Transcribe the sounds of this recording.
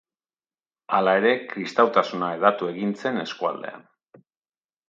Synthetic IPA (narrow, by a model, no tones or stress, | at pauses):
alae̞ɾe̞kɾist̪awt̪asunaeðat̪ue̞ɣint͡se̞ne̞skua̰ld̪e̞̰a̰n